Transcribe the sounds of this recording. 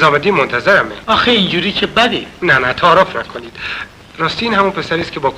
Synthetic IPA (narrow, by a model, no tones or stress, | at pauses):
zɒːmed̪iːmont̪ʰæzeɾæmeɒːxeind͡ʒuːɾiːcʰebæd̪inænæt̪ʰɒːɾɒːfnækʰoniːd̪̥ | ɾɒːst̪iiːnhæmunpʰe̞sæɾiːscʰe̞bɒːk